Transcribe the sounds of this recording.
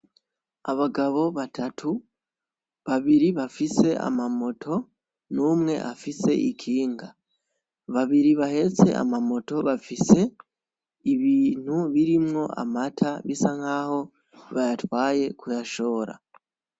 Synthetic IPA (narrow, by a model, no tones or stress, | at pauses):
aβaɡaβo̞βatʰatʰu | βaβiɾiβafise̞ʔa̰mamo̞tʰo̞ | nuːmŋe̞̰ʔafise̞̰ʔikʰiːŋɡa | βaβiɾiβahe̞t͡se̞̰a̰mamo̞to̞βafise̞ | iβiːn̥huβiɾimŋo̞ʔa̰matʰaβisaŋhaːho̞ | βajatwaːje̞kujaʃo̞ːɾa̰